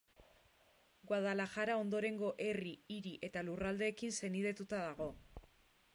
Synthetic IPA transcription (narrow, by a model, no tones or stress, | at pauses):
ɡwaðalaxaɾao̞nd̪o̞ɾe̞ŋɡo̞ʔe̞riiɾiʔe̞t̪alurald̪e̞ːkinse̞nið̞e̞t̪ut̪aðaɣ̞o̞